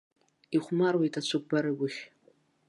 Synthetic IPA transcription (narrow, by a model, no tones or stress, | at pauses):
iχʷmarwejtʼat͡ʃʷʰɨk̚ʷʼbaɾɨɡʷʊχʲ